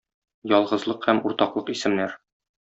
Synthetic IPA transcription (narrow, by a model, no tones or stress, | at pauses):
jɒlˠʁɤ̆zlˠɤqhæmuɾt̪ɑqlˠɤqisɘ̆mnæɾ